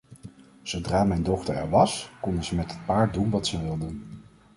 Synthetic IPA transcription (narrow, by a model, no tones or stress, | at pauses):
z̥owdraːmɛjndɔχtəɹɛ̰ɹʋɑskɔndəzəmɛtɦət̚paːɹt̚dunʋɑtsəʋɪlˠdən